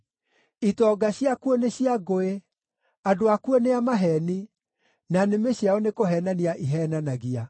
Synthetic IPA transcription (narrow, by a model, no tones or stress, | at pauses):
itɔɡaɕiakuoneɕiaɣoe | adoakuoneamaɦɛni | nanemeɕiaɔnekoɦɛːnaniaʔiɦɛːnanaɣia